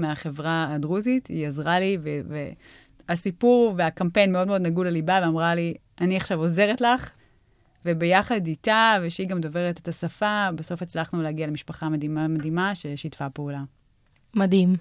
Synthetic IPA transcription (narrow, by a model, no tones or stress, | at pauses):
meaχe̞vʁaadʁuzitiazʁaliveve | asipuʁveakampejnmeo̞dme̞od̪naɡulalibaveamʁali | ʔaniaχʃavo̞ze̞ʁetlaχ | ve̞be̞jaχaditaveʃeiɡamdo̞ve̞ʁetetasafabeso̞fet͡slaχnuleaɡialemiʃpaχamadiamadimaʃejʃitfapeula | madim